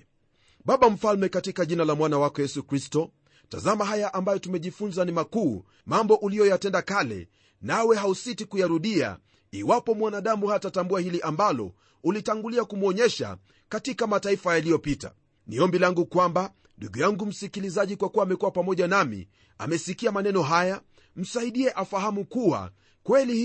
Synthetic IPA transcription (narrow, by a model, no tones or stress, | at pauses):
ɓaɓam̩falmɛkatikaʄinalamwanawakɔjɛsukɾistɔ | ta̰zamaɦajaʔambajɔtumɛʄifunzanimakuː | mambɔʔulijɔjatɛndakalɛ̰ | nawɛɦausitikujaɾuɗia̰ | iwapɔmwanaɗamuhatatambuahiliʔambalɔ̰ | ulitaŋɡuliakumuɔɲɛʃa̰ | katikamataifajalijɔpita̰ | niɔmbilaŋɡukwamba | nduɡujaŋɡum̩sikilizaʄikwakuwaːmɛkuwapamɔʄanamḭ | a̰mɛsikiamanɛnɔɦaja | m̩saiɗiɛʔafaɦamukuwa̰ | kwɛli